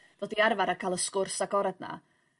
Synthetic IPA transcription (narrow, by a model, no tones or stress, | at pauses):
d̥odiarvaɾakʰaːlˠəskʊrsaɡɔɾadna̰